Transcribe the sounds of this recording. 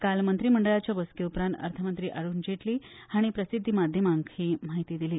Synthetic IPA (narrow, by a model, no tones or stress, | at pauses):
kalmənt̪ɾiːməɳɖəɭat͡ɕjabəskeupɾãnt̪ə̰ɾt̪ʰəmənt̪ɾiːʔaɽuːnd͡ʑeʈliːhaɽ̃ipɾəsid̪ʱːimad̪ʱjəmaŋkhiːm̤aɦit̪iːd̪iliː